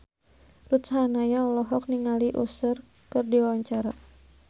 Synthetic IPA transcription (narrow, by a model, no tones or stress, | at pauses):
rut̪shanajaɔlɔɦɔk̚niŋaliʔusər | kɨrdiwawaɲt͡ʃaɾa